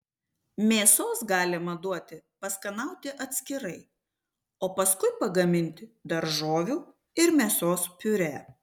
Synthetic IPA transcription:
mʲeːsoːsɡɑːlʲɪmɐd̪uɔt̪ʲɪpɐskɐnɐˑʊt̪ʲɪʔɐt̪ʲsʲkʲɪɾɐɪ | oːpɐskʊɪpɐɡɐmʲɪnʲt̪ʲɪd̪ɐɾʒoːʋʲuː | ɪɾmʲeːsoːspʲʊɾʲæː

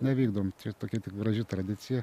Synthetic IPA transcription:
nʲɛʋʲiːɡd̪ɐʋomt͡ʃʲɛt̪oːkʲɛt̪ʲɪkɡɾɐʒʲɪt̪ɾɐd̪ʲɪt̪t͡s̪ʲɪjɛ

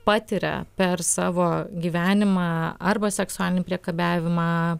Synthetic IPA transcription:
pɑːt̪ʲiɾʲɛ̰pʲɛɾsɑːʋoːɡʲiːʋʲæːnʲɪmɑːɐɾbɐsʲɛksʊæːlʲɪnʲpʲɾʲiɛkɐbʲæːʋʲɪmɑ

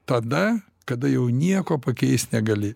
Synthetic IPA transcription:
t̪ɐd̪ɐ | kɐd̪ɐjɛʊnʲiɛkoːpɐkʲɛɪsnʲɛɡɐlʲɪ

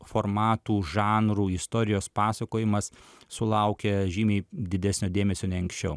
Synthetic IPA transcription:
foɾmɑːt̪uːʒɑːnɾuːɪst̪oːɾʲɪjoːspɑːsɐkoːjɪmɐssʊlˠɐʊkʲɛʒʲiːmʲɛɪd̪ʲɪd̪ʲæsʲnʲoːd̪ʲeːmʲɛsʲoːnʲɛɐŋksʲt͡ʃʲɛʊ

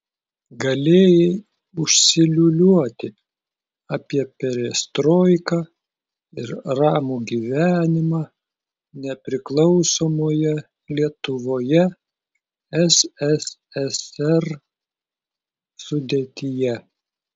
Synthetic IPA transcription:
ɡɐlʲeːjɛ | ʊʃʲsʲɪlʲʊlʲuɔt̪ʲɪ | ɑːpʲiɛpʲɛɾʲɛst̪ɾoːɪkɑː | ɪɾɾɑːmuɡʲiʋʲæːnʲɪmɑː | nʲɛpʲɾʲɪklˠɒʊsoːmoːjɛ | lʲiɛt̪ʊʋoːjɛ | ɛsɛs | ɛsɛɾ | sʊd̪ʲeːt̪ʲɪjɛ

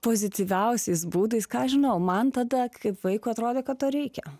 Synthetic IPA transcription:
poːzʲɪt̪ʲiʋʲɛʊsʲɛɪs̬buːd̪ɐɪskɑːɐʃʒʲɪnɐʊmɐnt̪ɐd̪ɐkɐɪpʋɐɪkʊːɐt̪ɾoːd̪ʲeːkɐt̪t̪oːɾʲɛɪkʲɛ

